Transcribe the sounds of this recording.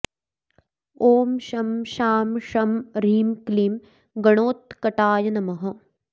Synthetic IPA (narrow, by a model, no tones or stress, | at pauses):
oːmʃɐmʃaːmʃɐmɾiːmkliːm | ɡɐɳoːt̪̚kɐʈaːjɐnɐmɐɦɐ̆